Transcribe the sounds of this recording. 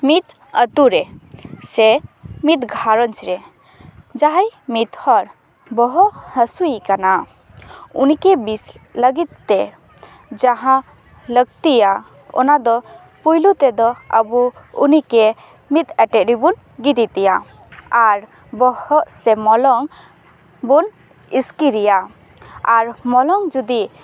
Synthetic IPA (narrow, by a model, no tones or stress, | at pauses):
mit̪ | ət̪uɾɛsɛmit̪ɡʱaɾɔnt͡ʃɾɛ | d͡ʒaɦajmit̪hɔɾ | bɔɦɔʔhəsuikana | unikɛbisləɡit̪̚ːɛ | d͡ʒaɦã | ləɡ̚t̪ija | ɔ̰nad̪ɔ | pujlut̪ɛd̪ɔə̰buṵnikɛ | mit̪ɛʈɛʔ̪ɾibun | ɡid̪it̪ɛja | aɾ | bɔhɔʔsɛmɔlɔŋ | bun | iskiɾija | aɾmɔlɔŋd͡ʒud̪i